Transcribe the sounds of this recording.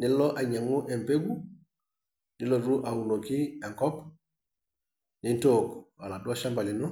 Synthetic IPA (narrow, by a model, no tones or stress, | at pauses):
nilloʔaɲaŋoʔempeɡu | diloɾuʔawunokieŋkɔp | nintoːkwa̰laduaʃambalinu